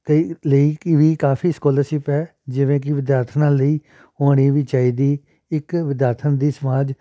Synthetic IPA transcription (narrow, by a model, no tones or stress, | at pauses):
t̪əiləiːkɪʋiːkaːpʰiːskoːləːsɪpɛː | d͡ʒɪʋẽːk̬ɪʋɪd̪jaːɾt̪ʰnãːləiː | oːɽ̃iːʋiːt͡ʃaːiːd̪iː | ɪkʋɪd̪jaːɾt̪ʰənd̪iːsəmaːd͡ʒ